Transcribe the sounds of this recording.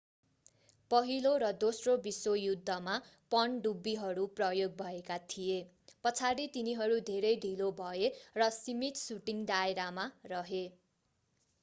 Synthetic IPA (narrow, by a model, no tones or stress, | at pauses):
pʌɦiloɾʌd̪osrobisojud̪ʱːʌmapʌnɖubːiɦʌɾuprʌjoɡ̚bʱʌekat̪ʰije | pʌt͡sʰaɾit̪iniɦʌɾud̪ʱeɾʌjɖʱilobʱʌerʌsimit̪suʈiŋd̪aeɾamarʌɦe